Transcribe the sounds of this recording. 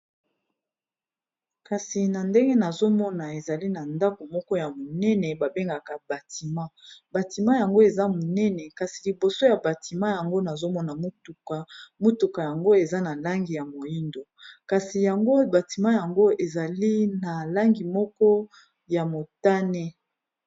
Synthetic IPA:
ka˨si˨na˨nde˦ŋɡe˦na˨zo˦mɔ˦na˨e˨za˨li˦na˨nda˦ko˨mɔ˦kɔ˦ja˨mo˨nɛ˦nɛ˨ba˨be˦ŋɡa˨ka˨ba˨ti˨mã˦ba˨ti˨mã˦ja˨ŋɡo˦e˨za˦mo˨nɛ˦nɛ˨ka˨si˨li˨bo˨so˦ja˨ba˨ti˨mã˦ja˨ŋɡo˦na˨zo˦mɔ˦na˨m˦tu˨ka˨mo˦tu˨ka˨ja˨ŋɡo˦e˨za˦na˨la˦ŋɡi˨ja˨mo˨ji˦ndo˨ka˨si˨ja˨ŋɡo˦ba˨ti˨mã˦ja˨ŋɡo˦e˨za˨li˦na˨la˦ŋɡi˨mɔ˦kɔ˦ | ja˨mo˨ta˦nɛ˦

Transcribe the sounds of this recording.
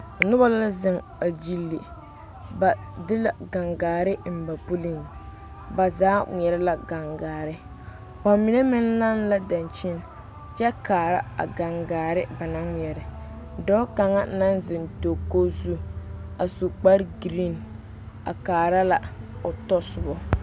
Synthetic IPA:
nʊ˦ba˦la˦zɪ˨ŋ | a˨d͡ʒi˦lːi˨ | ba˨ | dɪ˦la˨ɡa˨ŋɡaː˨ɾɪ˦m̩˨ba˨pu˦lɪ˦ŋ˨ | ba˨zaː˦ŋʷ˨ɛ˨ɾɪ˦la˦ɡa˨ŋɡaː˨ɾɪ˦ | k͡pa˨mi˨nɛ˦mɪ˦n˦la˦n˦la˦da˨nt͡ʃɪ˦n | t͡ʃɛ˦kaː˨ɾa˦a̰˨ɡa˨ŋɡaː˨ɾɪ˦ba˨na˦ŋʷ˨ɛ˨ɾɪ˨ | dɔ˦ka˨ŋa˦na˦n˦zɪ˨nto˨ko˦zu˦a˨su˨k͡pa˦ɾɡɾi˦˨n | a̰˨kaː˨ɾa˦la˦ʊ˨tɔ˦sʊ˨bɔ˦

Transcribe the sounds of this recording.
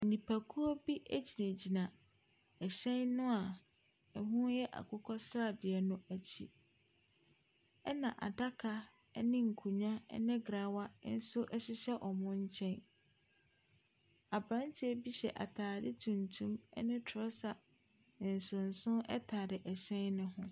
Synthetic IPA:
n̩˨nĩ˨pʰæ˨kʰu˦ɔ˦bi˦ʔæ˦d͡ʑi˨nã˨d͡ʑi˨nã˨ | ɛ˨ɕɛ̃˦nnʊ̃˦a˨ | ɛ˨ɦũ˦jɛ˦ʔa̰˨kʰʊ˦kʰɔ˦sɾa˦˨dɪ˨ɛ˨nʊ̃˦æ˨t͡ɕʰḭ˨ | ɛ˦nã˨ʔa̰˨da˦kʰa˨˦ | nɪ̃˦ŋ̩˨kʰũ˨ɲã˦nɪ̃˦ɡɾa˨˦wa˦n̩˦sʊ˦ʔɛ˦ɕɪ˦ɕɛ˦ʔɔ˨mʊ̃˦ɲ̩˦t͡ɕʰɛ̃˦n | a˨bɾã˦n˦tʰɪ˦ɛ˦bi˦ɕɛ̰˨ʔa̰˨tʰaː˨dɪ˦tʰũ˨ntʰũ˦mɛ̰˦nɪ̃˦tʰʊ˨ɔ˦sa˨ | n̩˨sʊ̃˨n̩˨sʊ̃˦nɛ̰˦tʰa˨ɾɪ˨ʔɛ˨ɕɛ̃˦nːʊ̃˦ɦʊ̃˦

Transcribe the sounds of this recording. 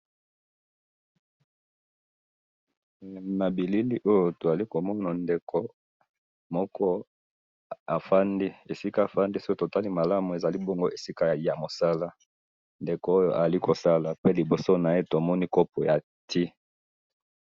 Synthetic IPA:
na˨bi˨li˦ni˦ʔo˦jo˦to˨za˨li˦ko˨mɔ˦na˨nde˨kʰo˨ | mɔ˦kʰɔ˦ | a˨fa˦ndi˦e˨si˦ka˦˨fa˦ndi˦si̥˦o˦to˨ta˦li˦ma˨la˦mu˨e˨za˨li˦bɔ˦ŋɡo˦ʔe˨si˦ka˦ja˨mo˨sa˦la˦ | nde˨ko˨o˦jo˦ʔa˨a˨li˦ko˨sa˦la˨pe˦li˨bo˨so˦na˨e˦to˨mɔ˦ni˦kɔ˦p̚ɔ˨ja˨ | tʰi˦

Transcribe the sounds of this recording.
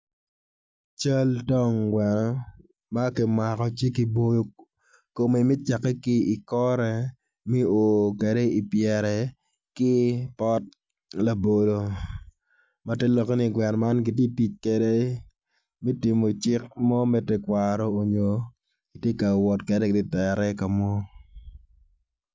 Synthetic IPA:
t͡ʃa˦ltɔ˦˨ŋɡwɛ˨n˦ | ma˦ki˨ma˨kɔ˨t͡ʃi˦ki˨bo˦jo˨ | ko˨me˨mi˦t͡ʃa˨kːɛ˦kɪ˦i˨kɔ˦ɾɛ˨ | mɛ˦oː˨ke˨de˦i˨pjɛ˨ɾɛ˨ | kɪ˦pɔ˦t̚ | la˨bo˨lo˨ | ma˨˦tɛ˦lɔ˨kni˦ɡwɛ˨nma˦nɡi˨t̬je˦ti˦t͡ʃke˨de˦ | me˦ti˨mo˨t͡ʃɪ˦k̚mɔ˦mɛ˦tɛ˨kwaɾɔː˦˨ɲo˨ | ki˨tje˦ka˨wɔ˨tkɛ˨dɛ˦kɪ˨ti˦tɛ˨ɾɛ˦ka˨mɔ˦

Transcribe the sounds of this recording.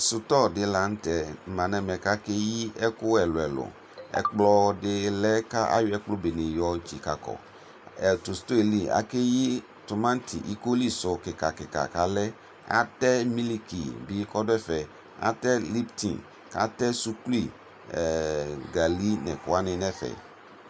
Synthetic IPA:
sʊ˨tɔ˦dɪ˨la˨n̩˦tɛ˨mã˨nɛ˨mɛ˨ka˦ke˦ji˦ɛ˦kʊ˦ɛ˨lʊ˨ɛ˨lʊ̰˨ | ɛ̰˨k͡plɔ˦dɪ˦lɛ˦ka˦ʔa̰˦jʊ˦ɛ˦k͡plʊ˦be˨nɪ̃˨jɔ˦d͡ʒi˨ka̰˨kɔ̰˨ | ɛ˨tʊ˨st̪o˦e˨li˦a̰˨ke˦ji˦ | tʊ˨mã˦n˦tʰḭ˨ʔi˦ko˦li˦sʊ˨kɪ˨ka˨kɪ˨ka̰˨ka˨lɛ˦ | a̰˦tɛ˦mi˦li˦kḭ˨bi˦kɔ˦dʊ˦ɛ˦fɛ˨ | a̰˨tɛ˦li˦ptʰḭ̃˨ | ka̰˨tɛ˦su˦ku˦li˦˨ | ɛ˨ɡa˨li˦nɛ̰˨kʊ˨a˦nɪ̃˨nɛ̃˦fɛ̰˨

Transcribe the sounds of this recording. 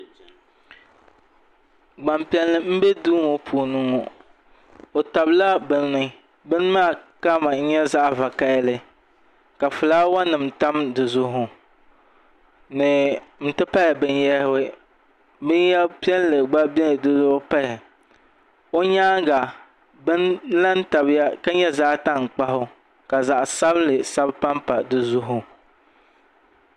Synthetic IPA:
ɡ͡ba˨mpi˨ɛ˨lːɨ˨m̩˦bɛ˦duː˦ŋo˨pʰu˨nɨ˦ŋɔ˨ | o˨ta˨bla˦bɨ˦n˦nɨ˦ | bɨ˦n˦maː˦˨ka˦ma˨ɲ̩˦ɲɛ˦za˦ʔva˨ka˦ɪ˦lɨ˦ | ka˨fɨ˨laː˦wa˦nɨ˨m˨ta˦mdɨ˨zʊ˦ɦʊ˨ | nɨ˨m̩˦tɨ˦pa˦la˨bɨ˦n˦jɛ˦hɪ˦wɨ˦ | bɨ˦n˦jɛ˦pi˦ɛ˦n˦lɨ˨ɡ͡ba˦bɪ˦nɨ˨dɨ˦zʊ˦hʊ˦pa˦lɪ˨ | o˦ɲaː˦ɡa˨ | bɨ˦nla˦n˦ta˨bja˦ka˦ɲɛ˦za˦ʔta˦˨ŋ˨k͡pa˦ɦʊ˦ | ka˨za˨ʔa˨sa˦blɨ˨sa˦bpa˦mpa˨dɨ˨zʊ˦ɦʊ˨

